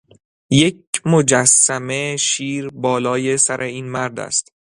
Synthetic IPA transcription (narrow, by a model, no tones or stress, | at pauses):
je̞cmo̞d͡ʒæsːæme̞ʃiːɾbɒːlɒːje̞sæɾʔe̞iːnmæɾd̪æ̰st̪